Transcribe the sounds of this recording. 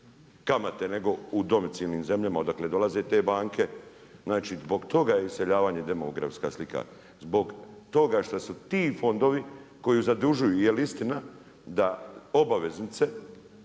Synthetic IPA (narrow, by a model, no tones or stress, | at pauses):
kamat̪e̞ne̞ɡo̞ud̪o̞mit̪siːlniːmze̞mʎamaod̪akle̞d̪o̞lˠaze̞t̪e̞ːbaːŋkʰe̞ | znaːt͡ʃizbo̞ɡt̪o̞ɡajeise̞ʎaːʋaːɲed̪e̞moɡɾa̰fska̰slika̰ | zbo̞ɡt̪o̞ɡaʃt̪asut̪iːfo̞nd̪o̞ʋiko̞juzad̪uʒujujelist̪ina | d̪ao̞baʋe̞znit̪se̞